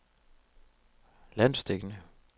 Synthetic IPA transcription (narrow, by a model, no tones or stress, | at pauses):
lænsd̪̥eɡ̥nə